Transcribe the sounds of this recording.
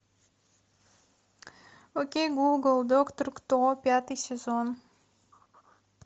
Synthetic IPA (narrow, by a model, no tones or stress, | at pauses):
okʲejɡuɡəlˠd̪okt̪rkt̪oopʲat̪ɨjsʲezon